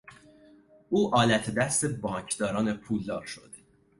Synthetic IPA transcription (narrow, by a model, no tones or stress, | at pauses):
uːʔɒːlæt̪ʰed̪æst̪ebɒːɲcʰd̪̥ɒːɾɒːnepʰuːld̪ɒ̰ːɾʃo̰d̪̥e